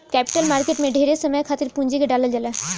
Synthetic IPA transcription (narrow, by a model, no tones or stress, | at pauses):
kɛpi̥ʈalmaɾkeʈmeɖʱeɾesemɛjkʰat̪eɾpuɲd͡ʑikeɖaled͡ʑɛle